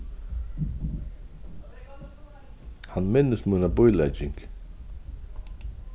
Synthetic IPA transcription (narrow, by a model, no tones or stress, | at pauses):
hanmɪnːəsmunabʊjlɛ̰d͡ʒɪŋk